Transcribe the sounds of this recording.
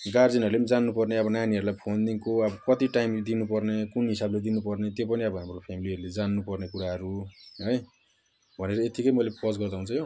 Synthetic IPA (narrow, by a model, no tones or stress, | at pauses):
ɡard͡zinʌɾuled͡zanːupʌrneʌbʌnaniɦʌɾulajpʰond̪iŋkoʌbʌkʌt̪iʈajmd̪inupʌrnekunɦisabled̪inupʌrnet̪jopʌniʌbʌɦamropʰemiliʌɾuled͡zanːupʌrnekuɾaɦʌɾuɦʌj | bʱʌneɾʌet̪ikʌjmʌjlepʌsɡʌrd̪aɦunt͡sʰʌjo